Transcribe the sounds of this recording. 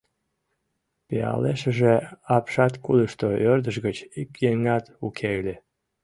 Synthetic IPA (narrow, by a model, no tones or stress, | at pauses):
piɑ̰leʃəʒeɑpʃɑt̪kuləʃt̪oørd̪əʃɣət͡ɕikjeŋɑt̪ukʰeɣlʲe